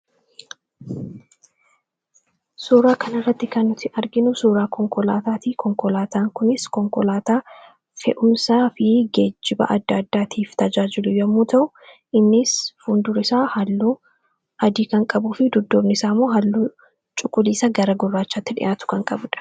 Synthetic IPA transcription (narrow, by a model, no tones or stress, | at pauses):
suːɾaːkɐnɐrːɐt̪ːɪkɐnːʊt̪ɪɐɾɡɪnʊsuːɾaːkɔŋkɔlaːt̪aːt̪iːkɔŋkɔlaːt̪aːŋkʊnɪskɔŋkɔlaːt̪aː | fɛ̰ʔʊmsaːfɪɡeːd͡ʒːɪbɐ̰ʔɐ̰d̪ːɐːd̪ːaːt̪ʰiːft̪ɐd͡ʒaːd͡ʒɪlʊjɔɐmːuːt̪ʰɐʔʊ | ʔɪnːɪsfʊnd̪ʊɾɪsaːhɐlːuː | ʔɐd̪iːkɐŋkʼɐbuːfɪd̪ʊd̪ːoːbnɪsaːmːoːɦɐlːuː | t͡ʃʼʊkʼːʊliːsɐɡɐɾɐɡʊrːaːt͡ʃːaːt̪ːɪᶑɪ̰ʔaːt̪ʊ̥kɐŋkʼɐbʊᶑɐ̥